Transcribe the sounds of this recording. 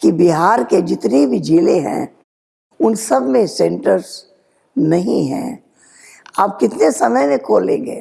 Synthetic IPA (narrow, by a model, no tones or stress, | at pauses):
kibiɦaːɾked͡ʒɪt̪nibʱid͡ʒiːleɦɛ̰̃ | ʊnsɐbʱmẽsɛ̃ɳʈəɾz | nɐɦḭ̃ɦɛ̰̃ | aːp̚kɪt̪nesɐməjmẽkʰoːlḛ̃ːŋɡeː